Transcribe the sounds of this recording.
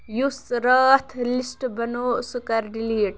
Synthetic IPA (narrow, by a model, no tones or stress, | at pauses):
jusɾəːt̪ʰlisʈbɐnoːsukɐɾɾiliːʈ̚